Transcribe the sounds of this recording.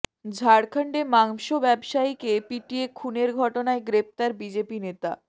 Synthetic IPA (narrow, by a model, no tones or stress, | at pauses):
d͡ʑʱaɽkʰaɳɖemaŋʃobɛbʃajkepiʈiekʰuneɾɡʱɔʈonaeɡɾep̚t̪aɾbid͡ʑepinet̪a̰